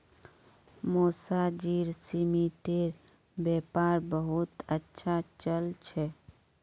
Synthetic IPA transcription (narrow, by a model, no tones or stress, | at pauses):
moːsad͡ʒiːɾsimiʈeɾ | beːpaːɾbəɦʊt̪ətːʃʰat͡ʃəlt͡ʃʰɛ